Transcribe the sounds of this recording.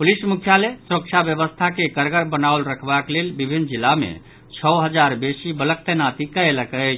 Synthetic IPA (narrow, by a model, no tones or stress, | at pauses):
pulismukʰjalesɾək̚t͡ʃʰabjəbəst̪ʰakekəɾɡəɾbənawlɾəkʰbaklelbibʱinːd͡ʒilːamḛ | t͡ʃʰəɦəd͡ʒaɾbesibələk̚t̪ənat̪ikəeləkət͡ʃʰ